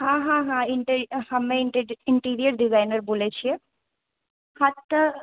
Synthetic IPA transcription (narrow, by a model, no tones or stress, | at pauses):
ɦãɦãɦãɪɳʈɾhɐmːẽʈɪɳʈiːɾijəɾɖɪzaːɪnəɾboːlet͡ʃʰie | hɐt̪ː